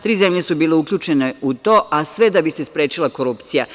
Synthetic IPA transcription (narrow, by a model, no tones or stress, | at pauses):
t̪ɾiːze̞mʎesubiːleukʎʲuːt͡ʃe̞neut̪o̞ːʔasʋe̞d̪abisespɾe̞ːt͡ʃilˠako̞ɾupt̪sija